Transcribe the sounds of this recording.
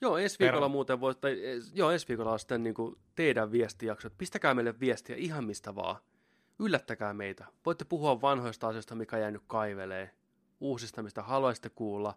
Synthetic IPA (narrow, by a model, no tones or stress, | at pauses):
joːensʋiːkolːɑmuːt̪eʋʋot̪ɑiejoːensʋiːkolːɑosi̥t̪ːenniːŋkut̪eidæʋʋiest̪ijɑksoet̪̚pist̪ækæːmeilːeʋʋiest̪iæ̰ihɑmmist̪æʋɑ̰ː | ylːæt̪ːækæːmeit̪æʋoit̪ːepuhuɑʋʋɑnhoist̪ɑɑsijost̪ɑmikæjæːnykkɑiʋeleː | uːsist̪ɑmist̪æhɑluɑsi̥t̪ːekuːlːɑ